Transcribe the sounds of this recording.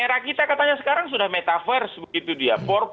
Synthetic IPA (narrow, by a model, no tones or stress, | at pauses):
eɾakit̪akat̪aɲasə̥kaɾaŋsudahmet̪afɛrsbəɡit̪udiapɔr